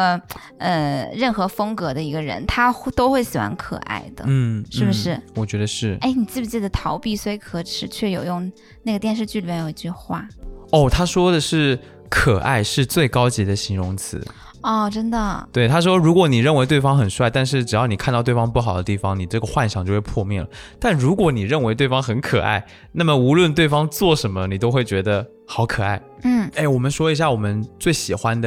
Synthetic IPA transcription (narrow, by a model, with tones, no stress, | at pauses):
ə˧ɻə˥˩nxɤ˧˥fɤ˥ŋkɤ˧˥d̪ə˧i˧˥ɡə˧ɻə̰˧˥nt̪ʰa˥t̪o˥ʊxwe˥˩ɪsɹ̩˨˩xwa̰˧˥nkʰɤ̰˨˩ʔa̰˥˩ɪd̪ə̰˩n̩˥˩ʂɻɻ̩˥˩bə˩ʂɻ̩˥˩wɔ˨˩t͡ɕɥɛ˧˥d̪ə˧ʂɻ̩˥˩e˥˩ɪni˨˩t͡sɹ̩˥˩i˧˩t͡ɕi˥˩d̪ə˩t̪ʰɑ˧˥ʊpi˥˩swɔ˧˥i˧˥kʰɤ˧˥ʈ͡ʂʰɻ̩˨˧˥t͡ɕʰɥɛ˥˩jo˨˩ʊjʊ˥˧ŋ | na˥˩ɡə˩t̪jɛ˥˧nʂ̬ɻ̩˥˧t͡ɕy˥˩li˨˩mɛ˥˩jo˨˩ḭ˧˥t͡ɕy˥˧xwa̰˥˩ɔ˥˩ʊt̪ʰa˥ʂwɔ˥d̪ə˨ʂɻ̩˥˩ | kʰɤ˨˩ʔa̰˥˧ɪʂɻ̩˥˧t͡swe˥˩ɪkɑ˥ʊt͡ɕi˧˥d̪ə˧ɕi˧˥ŋɻʊ˧˥ŋt͡sʰɹ̩̰˧˥˦ | ɔ˥˩ʈ͡ʂə˥nd̪ə˨t̪we˥˩ɪt̪ʰa˥ʂ̬wɔ˥ɻu˧˥kwɔ˧˥ni˨˩ɻə˥˩nwe˧˥ɪt̪̬we˥˩ɪfɑ˥ŋxə˨˩nʂwa˥˧ɪt̪a˥˧nʂ̬ɻ̩˥˩ʈ͡ʂɻ̩˨˩jɑ˥˧ʊni˨˩kʰa˥˧t̪ɑ˥˧t̪we˥˩ɪɑ˥ŋpu˥˩xɑ˨˩ʊd̪ə˦t̪i˥˩fɑ˧˩ŋni˨˩ʈ͡ʂɤ˥˩ɡə˩xwa˥˧nɕjɑ˨˩ŋt͡ɕo˥˧ʊxwpʰwɔ˥˧mjɛ˥˩lə˩t̪a˥˩nɻu˧˥kwɔ˧˥ni˨˩ɻə˥˩nwe˧˥ɪt̪we˥˩ɪfɑ˥ŋxə˧˥nkʰɤ˨˩ʔa̰˥˩ɪ | na˥˩mə˩u˧˥lwə˥˧nt̪we˥˩ɪfɑ˥ŋt͡swɔ˥˩ʂə˧˥nmə˧ni˨˩t̪o˥ʊxwe˥˩ɪt͡ɕɥɛ˧˥d̪ə˧ | xɑ˨˧˥ʊkʰɤ˨˩a˥˩ɪ | n̩˥˩e˥˩ɪwɔ˨˩mə˦nʂwɔ˥i˧˥ɕ̬ja˥˩wɔ˨˩mə˦nt͡swe˥˩ɪɕi˨˩xwa˦˥nd̪ə˨